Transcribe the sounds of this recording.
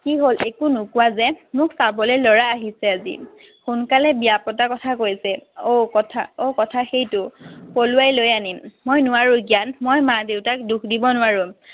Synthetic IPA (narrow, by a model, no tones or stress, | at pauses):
kiɦolʔekunʊkʊwazɛmʊksabɔlelɔɹaːɦisɛazḭ | xunkalɛbijapɔtakɔtʰakojsɛokɔtʰaokɔtʰaxejtʊpoluajlojanimmojnʊwaɹʊkianmojmadeʊtak̚dukʰdibɔnʊaɹʊ